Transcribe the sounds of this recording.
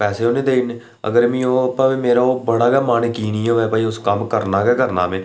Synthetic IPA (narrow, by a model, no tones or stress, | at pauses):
pɛːseːoːnẽːd̪eɪn | ə̰ɡəɾmĩːoːəpãːʋĩːmeːɾaːoːbəɽaːɡɛːmaːneːkiːniːoːʋɛːpaːiːʊskəmkəɾnaːkɛːkəɾna̰ːmẽː